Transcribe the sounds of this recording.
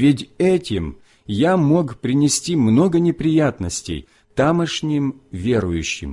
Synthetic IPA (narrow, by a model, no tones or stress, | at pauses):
vʲɪtʲɛtʲɪm | jamo̞kpɾʲɪnʲɪsʲtʲimno̞ɡənʲɪpɾʲɪjat̪nəsʲtʲɪ̰j | t̪aməʂnʲɪmvʲeɾʊjʉɕːɪ̰m